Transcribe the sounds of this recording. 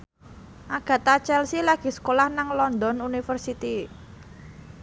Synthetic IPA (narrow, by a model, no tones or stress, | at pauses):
ʔaɡ̥ä̤t̪at͡ʃɛlsilaɡ̥i̤sə̥kolahnaŋlɔnd̪ɔnunifərsit̪i